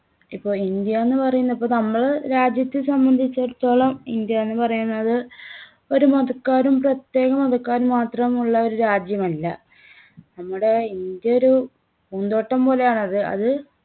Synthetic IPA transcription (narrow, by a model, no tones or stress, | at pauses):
ipːo̞ːɭind̪jɐenːɨpɐrɐjunːɐipːoːnɐmːɐɭɾaːd͡ʑjɐt̪ːisɐmbɐnd̪ʱit͡ɕːeɽut̪ːo̞ːɭɐmind̪jɐenːɨpɐrɐjunːɐðɨ | o̞ɾumoðɐkːaːɾumprɐt̪je̞ːɣɐmoðɐkːaːɾumaːt̪rɐmuɭːɐo̞ɾuɾaːd͡ʑjɐmɐlːɐ | nɐmːuɽe̞ind̪jɐoɾu | muːnd̪o̞ːʈːɐmpo̞ːle̞jaːɳɐðɨɐ̰ðɨ